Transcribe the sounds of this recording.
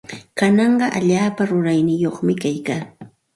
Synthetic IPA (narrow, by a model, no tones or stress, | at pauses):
kanɑɴɢɑʔa̰ʎaːpaɾʊɾajnɪjoχmɪkajkaː